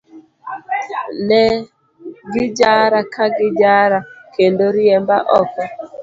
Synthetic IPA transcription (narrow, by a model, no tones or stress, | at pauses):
nɛ | ɡɪd͡ʒaɾakʰaɡɪd͡ʒaɾakendoɾiɛmbaʔɔka